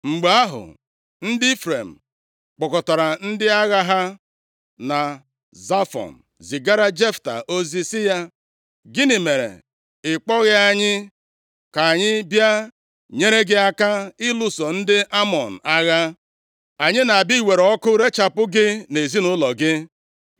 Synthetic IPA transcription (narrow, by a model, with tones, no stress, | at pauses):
ŋ͡m̩˨ɡ͡ba˦ɦʊ̰˨ | n̩˦dɪ˦fɾe˨m̩˨ | k͡pɔ˨kɔ˨ta˨ɾa˨n̩˦dɪ˦a˦ɣa˦ɦa˦ | na˨ | za˦fɔ̰˨n̩˨ | zi˨ɡa˦ɾa˦d͡ʒe˦fta̰˨ʔo˦zi˦sɪ˦ja˦ | ɡɪ˦nɪ˨me˨ɾḛ˨ | ɪ˨k͡pɔ˦ɣɪ˦a˦ɲɪ˦ | ka˨ɲɪ˦bja˦ | ɲe˦ɾe˦ɡɪ˦a˦ka˦ɪ˦lu˦so˨n̩˦dɪ˦ʔa˦mɔ˨n̩˨a˦ɣa˦ | a˨ɲɪ˦na˨a˨bi˦i˨we˨ɾɔ˦kʊ˦ɾe˦t͡ʃa˨pʊ˦ɡɪ˦ne˨zi˦nʊ˦lɔ˨ɡɪ˦